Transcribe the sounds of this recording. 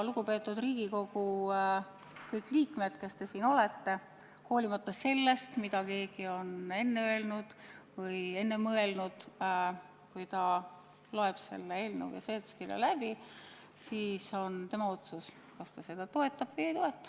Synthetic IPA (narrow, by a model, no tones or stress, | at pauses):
luɡ̥upe̞ːt̪ːˑud̪riːɡ̥iko̞ɡ̥u | kɤjkːˑliːkme̞d̪̥ke̞st̪e̞siːno̞le̞t̪ːe̞ | ho̞ːlimɑt̪ːɑse̞lːe̞st̪mid̪̥ɑke̞ːɡ̥io̞ne̞nːeøelnud̪̥vɤje̞nːe̞mɤe̞lnud̪̥ | kujt̪ɑ | loe̞b̥se̞̰lːeeːlnḛwjɑ̰seːt̪skilḛlæb̥i | siːso̞nt̪e̞mɑo̞t̪sus | kɑst̪ɑse̞d̪̥ɑt̪o̞e̞t̪ːˑɑb̥vɤjejt̪o̞e̞t̪ːˑɑ̥